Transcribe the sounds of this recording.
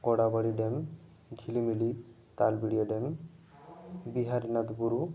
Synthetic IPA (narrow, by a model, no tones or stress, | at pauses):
kɔɽabaɽiɖem | ɡʱilimili | t̪albiɽijoɖem | biɦaɾinat̪buɾu